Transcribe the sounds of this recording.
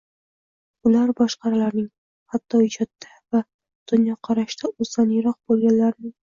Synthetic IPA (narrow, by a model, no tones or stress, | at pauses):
ʊlaɾbɒʃqɑɾalaɾnɪŋ | hat̪ʰːɒɪd͡ʒɒt̪ːava | d̪̥ʊnjɒqʰɑɾaʃt̪aozd̪anjɪɾɒq̚bolˠɡʲanlaɾnɪŋ